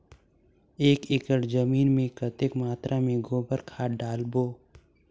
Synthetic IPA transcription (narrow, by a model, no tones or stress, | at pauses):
eːkɪkəʈd͡ʒəmiːnmẽkət̪ɪkmaːt̪ɾʔamẽɡoːbəɾkʰaːɖaːlboː